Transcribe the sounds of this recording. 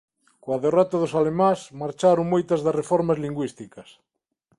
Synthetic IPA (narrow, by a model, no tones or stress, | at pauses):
koaðerɔt̪aðosalemãsmaɾt͡ʃaɾoŋmojt̪ɐzðɐsrefɔɾmɐzliŋɡwist̪ikɐs